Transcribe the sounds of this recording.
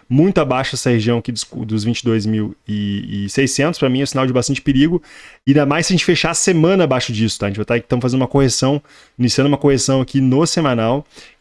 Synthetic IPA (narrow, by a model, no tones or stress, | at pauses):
mũj̃t̪ʊabajʃʊɛsɐheʒiɐ̃w̃akid̪ʊsd̪ʊzvĩnt͡ʃɪd̪ojzmiwɪɪsejsːẽnt̪ʊspɾɐmĩɛʊsinawd͡ʒɪbast̪ɐ̃nt͡ʃɪ̥peɾiɡʊɪd̪amajsjɐʒẽnt͡ʃɪ̥feʃasemɐ̃nɐabajʃʊd͡ʒisʊt̪aʒẽt͡ʃɪvajt̪aẽt̪ɐ̃w̃fazẽd̪umɐkohesɐ̃w̃ | inisiɐ̃d̪umɐkohesɐ̃w̃akinʊsemãnaw